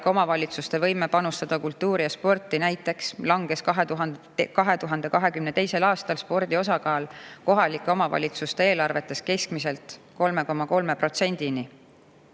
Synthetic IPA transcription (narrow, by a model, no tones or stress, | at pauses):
ko̞mɑvɑlʲit̪sust̪e̞vɤjme̞pɑnust̪ɑd̪̥ɑkult̪ːuːɾijɑspo̞rt̪ːˑinæjt̪ːˑe̞kslɑŋɡ̥e̞skɑɦet̪uɦ | kɑɦe̞t̪uɦɑnd̪̥e̞kɑɦe̞kymne̞t̪e̞jse̞lɑːst̪ɑlspo̞rd̪io̞s̬ɑkɑːlko̞ɦɑlikːˑeo̞mɑvɑ̰lʲit̪sust̪eeːlɑrve̞t̪ːˑe̞ske̞skmiselt̪ | ko̞lme̞ko̞mːɑko̞lme̞pro̞t̪se̞nʲd̪̥ini